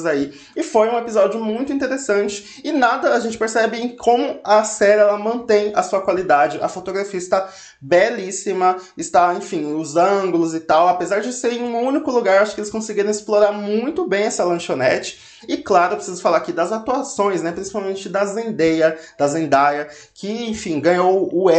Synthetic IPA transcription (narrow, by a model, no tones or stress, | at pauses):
zai | ɪfojũepizɔd͡ʒʊmũj̃t̪ʊĩt̪eɾesɐ̃nt͡ʃɪ̥ | ɪnad̪ɐːʒẽnt͡ʃɪ̥peɾsɛbɪẽj̃kʰõmʊɐsɛɾɛlɐmɐ̃t̪ẽj̃ɐsuɐkwalid̪ad͡ʒɪʔɐfot̪oɡɾafiɐɪst̪a | bɛlisimɐɪst̪aẽj̃fĩʊzɐ̃ɡʊlʊzɪt̪awapezaɾd͡ʒɪseɾẽj̃ũũnikʊluɡaɾewaʃʊ̥kɪelɪskõsɪɡiɾɐ̃w̃ɪsploɾaɾmũj̃t̪ʊbẽj̃ɛsɐlɐ̃ʃonɛt͡ʃɪ̥ | ɪklaɾʊpɾɪsizʊfalaɾakid̪ɐzat̪uasõj̃snɛpɾĩsi̥pawmẽnt͡ʃɪd̪ɐzẽnd̪ejɐd̪̥ɐzẽnd̪ajɐ | kʰɪẽj̃fĩɡɐ̃ɲowʊɛ